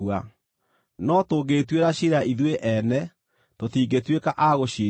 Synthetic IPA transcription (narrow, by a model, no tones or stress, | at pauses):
wa | nɔtoɡetweɾaɕiɾaʔiðweʔɛnɛ | totiːɡetwekaʔaɣoɕi